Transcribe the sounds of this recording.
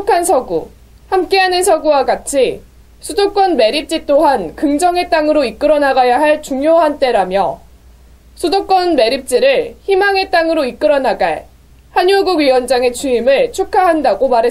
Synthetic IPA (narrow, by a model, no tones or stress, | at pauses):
kʰansʰʌɡu | hamk͈e̞ɦanɯnsʰʌɡuwaɡat͡ɕʰi | sʰudok͈wʌnme̞ɾip̚t͡ɕ͈it͈oɦankɯŋd͡ʑʌŋe̞t͈aŋɯɾoik͈ɯɾʌnaɡajaɦaɭt͡ɕuŋjoɦant͈e̞ɾamjʌ | sʰudok͈wʌnme̞ɾip̚t͡ɕ͈iɾɯɭçimaŋe̞t͈aŋɯɾoik͈ɯɾʌnaɡae | hanjuɡuɥiwʌnd͡ʑaŋe̞t͡ɕʰuimɯɭt͡ɕʰukʰaɦandaɡomaɾɦe